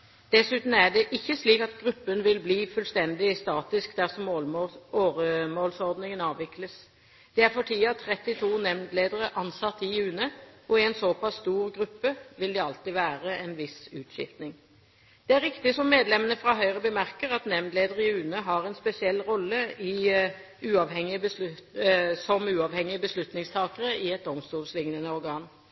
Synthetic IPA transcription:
d̪̥ɛsʉːt̪n̩æɖ̪ɛʔɪçːəsliːkɑt̪ɡʁʉpːənʋɪlbliːfʉlst̪ɛnd̪ɪst̪ɑːt̪ɪskd̪æʁsɔm | oːɾəmoːlsɔʁd̪nɪŋənɑːʋɪkləs | d̪̥ɛæɾfɔʈʰiːɑt̪ʰʁɛt̪ːɪt̪ʰuːnɛmd̪leːd̪əʁəʔɑnsɑt̪ːɪʉːnəɔɛnsopɑsːt̪uːʁɡʁʉpːəʋɪld̪ɛɑlt̪ɪʋæːʁəɛnʋɪsʉːt̪ʃɪ̰ft̪nɪŋ | d̪̥ɛæɾɪkt̪ɪsɔmːeːd̪lɛmənəfʁɑːɦœʏʁəbəmæʁkəʁɑt̪nɛmnd̪leːd̪əʁəɪʉːnəɦɑɾɛnspɛsɪɛlːʁɔlːəɪ | ʉːɑʋhɛŋːɪəbəs | sɔmʉːɑːʋhɛŋɪəbəslʉt̪nɪŋst̪ʰɑːkəʁəɪɛt̪̚d̪ɔmst̪uːlslɪŋnənəɔʁɡɑːn

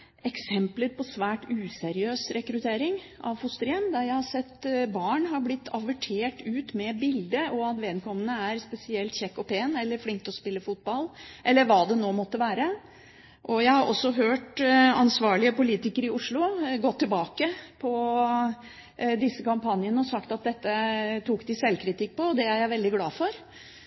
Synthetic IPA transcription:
ɛksɛmpləɾpʰɔsʋæːʈʉːsɛɾɪøːsɾɛkɾʉt̪ʰeːɾɪŋ | ʔɑ̰ʋfʊst̪ɾɛmd̪ɑɾjæɪhɑsɛt̪ːbɑːɳɦɑɾblɪt̪ʰːɑʋəʈʰeːʈʉːt̪mɛbɪld̪əɔɑt̪ʋeːd̪kʰɔmːənəæɾspɛsɪɛlt̪çɛkːɔpʰeːnɛlːəɾflɪŋk̚t̪ɔspɪlːəfʊt̪̚bɑlʔɛlːəɾʋɑːd̪ɛnoːmɔt̪ːəʋæːɾə | ʔɔjæɪhɑɾʔɔ̰sːɔɦøːʈɑnsʋɑːɭɪəpʊliːt̪ɪkəɾɪʊʂɭʊɡɔt̪ʰːɪlbɑːkəpʰɔ | d̪ɪsːəkɑmpɑnjənəɔsɑkt̪ɑt̪̚d̪ɛt̪ːət̪ʰuːkd̪ɪsɛlːkʰɾɪt̪ʰɪkːpɔɔd̪ɛæɾjæɪʋɛld̪ɪɡlɑːfɔɾ

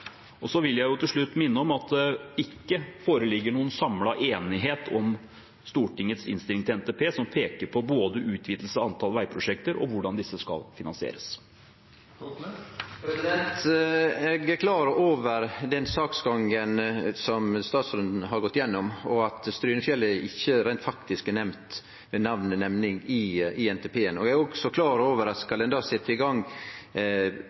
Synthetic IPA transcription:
ɔsɔʋɪljæɪjʊt̪ʰɪlʂɭʉt̪ːmɪnːəɔmɑt̪̚d̪ɛɪkːəfoːɾəlɪɡːəɳuːənsɑmlɑʔeːnɪɦeːt̪ʰɔm | st̪uːʈɪŋːət̪sɪ̰nst̪ɪlɪŋt̪ɪlɛnt̪eːpʰeːsɔmpʰeːkəɾpʰɔboːd̪əʔʉːt̪ʰʋiːd̪l̩səɑnt̪ʰɑlʋæɪpʰɾʊʂɛk̚t̪əɾʔɔ̰ʋʊɖɑnd̪ɪsːəskɑ̰lfɪnɑnsɪḛːɾəs | pɾɛsɪd̪ɛnt̪ɛɡækʰlɑːɾəʔoːʋəɾd̪ɛnsɑːksɡɑŋənsɔmst̪ɑːt̪sɾʉnd̪n̩ɦɑɾɡɔt̪ːjɛnːɔmɔɑt̪st̪ɾyːnəfjɛlːæɾɪçːəɾæɪnt̪fɑkt̪ɪsknɛmt̪ | mɛnɑʋnənɛmnɪŋɪɪɛnt̪ʰɛpʰeːənɔɛæɾɔksɔkʰlɑːɾoːʋəɾɑt̪skɑld̪ɛnd̪ɑːsɛt̪ʰːəɪɡɑŋ

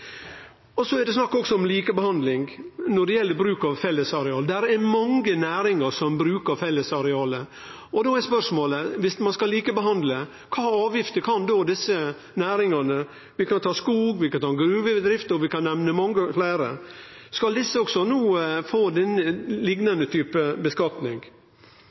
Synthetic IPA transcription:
ɔsɔɛɾd̪ɛsnɑkːɔksɔɔmliːkəbəhɑnd̪lɪŋnɔɖɛjɛlːəɾbɾʉːkɑʋfɛlːəsɑɾɛɑːləd̪æɾɛmɑŋɡənæːɾɪŋəʂɔmbɾʉːkəɾfɛlːəsɑɾɛɑːlə | ɔd̪oːɛspœʂmoːləʋɪsmɑnskɑliːkəbəɦɑnd̪lə | kʰɑːɑːʋjɪft̪əkʰɑnd̪oːd̪ɪsə | næːɾɪŋɑnə | ʋɪkʰɑnt̪ʰɑːskuːɡʋɪkɑnt̪ʰɑːɡɾʉːʋəd̪ɾɪft̪əɔʋɪkɑnːɛʋnəmɑŋːəflæːɾə̰ | skɑld̪ɪsːəɔksɔnuːfoːd̪ɛnːəlɪɡnɑnd̪ət̪ʰyːpəbəskɑt̪nɪŋ

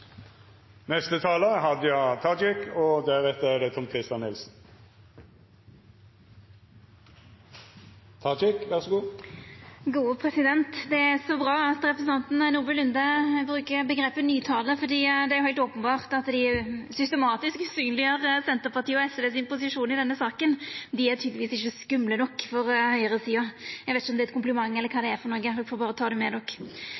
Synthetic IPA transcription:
nɛst̪ət̪ʰɑːləɦɑd̪əjɑɪt̪ʰɑd͡ʒɪkɔd̪æʁɛt̪ːəæd̪ɛt̪ʰɔmkʰʁɪst̪jɑnːɪlsn̩ | t̪ʰɑd͡ʒɪkʋæʁsɔɡuː | ɡuːəpʰʁɛsɪd̪ɛnt̪d̪ɛæsɔbʁɑːɑt̪ɾɛpʰɾɛsn̩ɑnt̪n̩nuːbəlʏnd̪əbɾʉːkəbəɡɾeːpənyːt̪ʰɑːləfɔd̪iːd̪ɛæɾjʊhæɪlt̪oːpənbɑːʁt̪ɑt̪d̪ɪsʏst̪əmɑːt̪ɪsksyːnlɪəɾsɛnt̪əɾpɑt̪iːɔɛsɛʋ̪eːsɪnpʊsɪʂuːnɪd̪ɛnːəsɑːkənd̪ɪæɾt̪ʰyːd̪lɪʋiːsɪçːəskʉmlənɔkːfɔɾhœʏəʁəsiːɑjæɛɡʋeːt̪ɪçəɔmd̪ɛt̪̚kʰʊmpləmɑŋːɛlːəɾkʰɑːd̪ɛæɾfɔɾnɔɾɡəd̪ɔfoːbɑːɾɔt̪ʰɑːd̪ɛmɛd̪ɔkː

